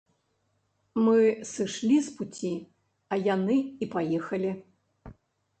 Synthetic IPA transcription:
mɨsɨʂlʲisput͡sʲi | ɐjanɨipajɛxɐlʲi

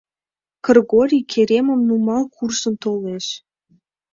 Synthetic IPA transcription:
kɤ̆rɣoɾʲikʰeɾʲemə̆mnumɑlˠkʰursə̆nt̪oleʃ

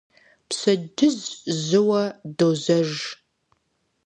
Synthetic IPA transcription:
psɐdɨzzɨwɐdoːzɐʒ

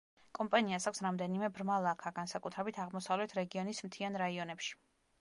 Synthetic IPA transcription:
kʼɔmpʼaniasakʰʷsɾamd̪ɛnimɛbɾmalˠakʰaɡansakʼut̪ʰɾɛbit̪ʰaʁmɔsavlɛt̪ʰɾɛɡiɔnismt̪ʰianɾaiɔnɛpʃi̥

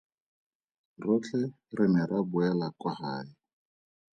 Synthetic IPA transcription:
rʊt͡ɬʰʼɛ | rɪmɪɾabʊɛlakwahaːɪ

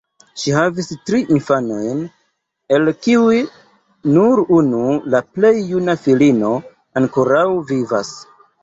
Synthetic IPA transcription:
ʃiɦavistɾiʔinfano̞jn | e̞lkiuj | nuɾunulaple̞jːunafilino̞ | aŋkoɾawviva̰s

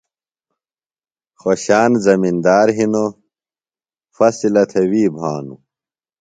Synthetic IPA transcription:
xoɕaːnzɐmind̪aːɾɦino | fɐsilɐt̪ʰewiːbʱaːnṵ

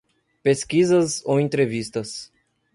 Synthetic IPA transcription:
peskizɐzo̰wẽnt̪ɾevist̪ɐs

